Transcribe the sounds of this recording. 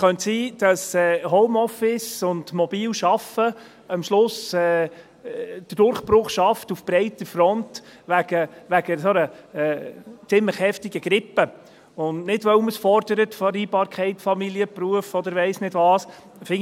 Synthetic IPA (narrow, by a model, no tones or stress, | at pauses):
χœntsiːd̥ɑsɛːɦɔʊmɔfɪsʊndmɔb̥iːlʃɑfə | ɑmʃlʊsɛː | d̥əd̥ʊɾχpɾʊχʃɑftufb̥ɾɛɪtəfɾɔntʋæɡ̥əʋæɡəsɔnəɛːt͡sɪmləxhɛftɪɡ̥əɡ̥ɾɪpːə | ʊnnɪdʋœməsfɔɾd̥əɾətfɔɾiːbɑːɾkʰχɛɪtfɑmiliəpɾuəfɔd̪əɾʋɛɪsnɪdʋɑːs | fɪŋ